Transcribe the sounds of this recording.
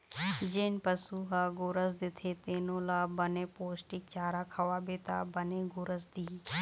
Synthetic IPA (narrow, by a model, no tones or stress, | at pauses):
d͡ʒɪnpəsuːɦaːɡʊɾəsd̪ɪt̪ʰeːt̪eːnõːlaːbənẽːpoːsʈɪk̚t͡ʃaːɾaːkʰəʋaːbet̪a̰ːbənẽːɡʊɾəsd̪iː